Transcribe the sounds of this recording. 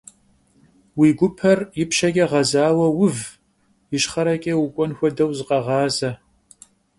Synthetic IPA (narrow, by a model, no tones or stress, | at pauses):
wiːɡʷʊpʰɐrjɪpʃɐɡʲʼɐʁɐzaːwɐwʊv | jɪʃχɐɾɐkʲʼɐwʊkʷʼɔnxʷɔdɐwzɨqɐʁɑːzɐ